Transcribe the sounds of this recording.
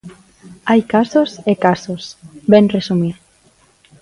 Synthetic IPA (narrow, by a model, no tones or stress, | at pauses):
ajkasosekasosbɛnresumiɾ